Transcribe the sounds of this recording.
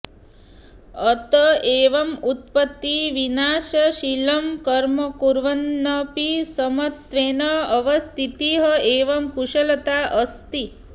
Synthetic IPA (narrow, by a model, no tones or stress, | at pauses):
ɐt̪ɐeːʋɐmut̪̚pɐt̪ːiʋinaːʃɐʃilɐmkɐɾmɐkuɾʋɐnːɐpisɐmɐt̪ʋeːnɐɐʋɐst̪ʰit̪iɦɐeːʋɐmkuʃɐlɐt̪aːʔɐst̪i